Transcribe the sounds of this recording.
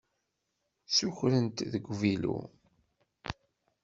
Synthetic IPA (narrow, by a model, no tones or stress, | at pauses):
suçɾənt̪ðəɡʷvilṵ